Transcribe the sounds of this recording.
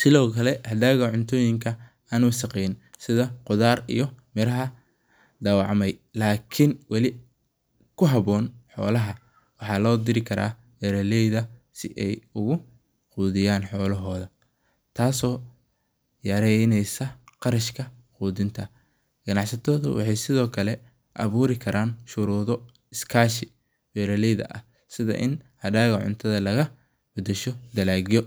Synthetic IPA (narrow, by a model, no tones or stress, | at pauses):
sɪlɔːkʰɐlɛhɐd̪aːɣɐʕʊnt̪ʰɔːjɪŋkʰɐ | aːnuːsɐqɛjnsɪðɐqʊðaːrḭjɔmɪɾɐɦɐ | d̪aːwɑʕmɛjlaːkʰɪnwɑlɪ | kʰʊɦɐβɔːnħɔ̰ːlɐɦɐ | wɑħɑːlɔːd̪ɪɾɪkʰɐɾa̰ː | ɡɐɾɐlɛjðɐsɪʔɛjʊɣʊ | quːðɪjaːnħɔːlɐɦɔːðɐ | t̪ʰaːsɔː | jɐɾɛnɛjsɐqɑɾɐʃkʰɐ | quːðɪnt̪ʰɐ | ɡ̥ɐnɑʕsɐt̪ʰɔːðʊ̰wʔɑ̰ħɑjsɪðɔːkʰɐlɛ | ʔɐ̰βuːɾɪkʰɐɾʔaːnʃʊɾuːðɔ | ɪskʰaːʃɪ | wɛːɾɐlɛjðɐ̰ʔɐ̰h | sɪðɐ̰ʔɪ̰nhɐdaːɣɐʕʊ̰nt̪ʰɐðɐlɐɣɐ | bʊd̪ɐʃɔd̪ɐlaːɣɪjɔ